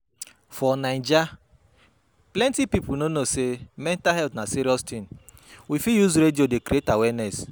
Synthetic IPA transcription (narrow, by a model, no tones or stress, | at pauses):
fɔnaɪnd͡ʒa | plɛntipipʊnonosemɛntaɦɛltnasiɾiɔstĩnwifijuzɾediodekɾietawɛnɛs